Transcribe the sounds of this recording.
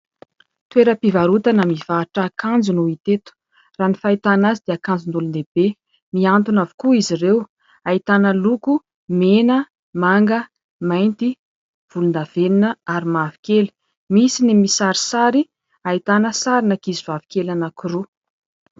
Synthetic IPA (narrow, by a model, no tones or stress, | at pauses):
t̪weɾəpivaɾut̪anamiv̥aʈ͡ʂakʰand͡zunuit̪et̪u̥ | raːnifait̪anazid̪̥eakand͡zund̪ulund̪eb̥e | miant̪unavu̥kuizirew | ait̪anəluku | menə | maŋɡə | majnt̪i | v̥ulund̪av̥eninəaɾimavi̥keli̥ | misinimisaɾi̥saɾi | ait̪anəsaɾinakizivavi̥kelanakuɾu